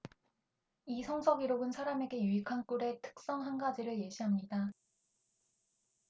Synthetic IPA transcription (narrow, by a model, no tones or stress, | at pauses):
isʰʌŋsʰʌɡiɾoɡɯnsʰaɾame̞ɡe̞juikʰank͈uɾe̞tʰɯ̥k̚s͈ʌŋɦanɡad͡ʑiɾɯɭje̞ɕʰiɦamɲida